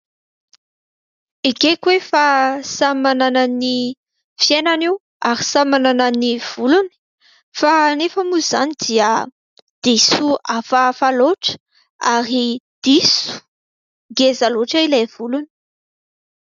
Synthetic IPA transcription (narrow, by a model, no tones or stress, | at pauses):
ikekwefasamananani | fjenaniw | aɾi̥samanananiv̥uluni̥ | fanefəmuzanid̪iə | d̪̥isuafafaloʈ͡ʂə̥ | aɾid̪̥isu̥ | ɡezaloʈ͡ʂailav̥uluni̥